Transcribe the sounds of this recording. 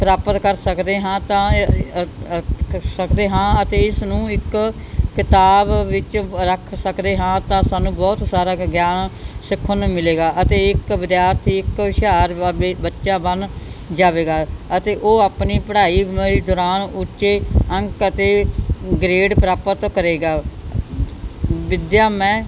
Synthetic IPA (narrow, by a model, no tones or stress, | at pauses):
pəɾaːpət̪kəɾsəkd̪eːɦãːt̪ãː | səkd̪eːɦãːət̪eːɪsnũːɪkː | ɪt̪aːbːɪt͡ʃɾəkʰsəkd̪eːɦãːt̪ãːsaːnũːbɔːt̪saːɾaːɡjaːnsɪkʰːənmɪleːɡaːʔət̪eːɪkʋɪd̪jaːɾt̪ʰiːɪkʃaːɾbətːʃãːbənd͡ʒaːʋeːɡaːət̪eːʔoːaːpniːpəɽaːiːid̪ɔːɾaːnʊtːʃeːə̃ŋkət̪eːɡɾeːɖpəɾaːpət̪kəɾeːɡaː | ʋɪd̪jaːmɛ̃ː